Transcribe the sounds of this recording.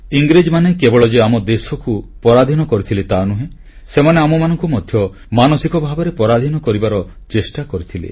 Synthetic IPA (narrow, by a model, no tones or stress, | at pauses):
iŋɡɾid͡ʒmanekebɔɭɔd͡ʒeamɔd̪esɔkupɔɾad̪ʱinɔkɔɾit̪ʰilet̪anuɦẽ | semaneamɔmanɔŋkumɔd̪ʱjɔ | manɔsikɔbʱabɔɾepɔɾad̪ʱinɔkɔɾibaɾɔt͡ʃesʈakɔɾit̪ʰilḛ